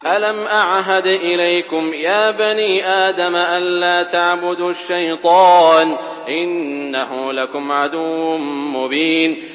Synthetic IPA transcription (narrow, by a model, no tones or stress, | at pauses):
ʔalamʔaʕɦad̪ʔɪlajkʊmjaːbaniːʔaːd̪amaʔanlaːt̪aʕbʊd̪ʃːajt̪ˤɑːn | ʔɪnːahʊlakʊmʕad̪ʊwːʊnmʊbiːn